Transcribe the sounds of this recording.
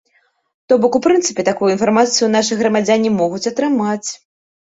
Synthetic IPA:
t̪ɔbɔkupɾɨnt̪sɨpʲɛt̪akujuinfarmat̪sɨjunaʂɨjɣɾɐmad͡zʲanʲimɔɣut͡sʲɐt̪ɾɨmat͡sʲ

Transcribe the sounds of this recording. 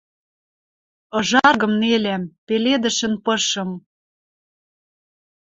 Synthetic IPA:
ɤ̆ʒɑrɣɤ̆mnelæmpeled̪ə̆ʃə̆npɤ̆ʃɤ̆m

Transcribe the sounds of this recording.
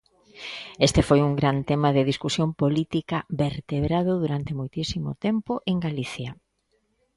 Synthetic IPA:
est̪efojuŋɡɾant̪emaðeɪðiskusjompolit̪ikɐbeɾt̪eβɾaðʊðuɾant̪emojt̪isimʊ̰t̪empʊʔeŋɡaliθjɐ

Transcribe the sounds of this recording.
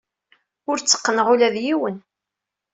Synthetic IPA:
ʊɾt͡sːə̥qːənəʁulæðjiwən

